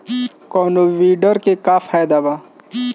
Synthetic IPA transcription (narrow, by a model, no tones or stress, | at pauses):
kɔːnoʋiːɖəɾkekafʰaːjd̪aʋa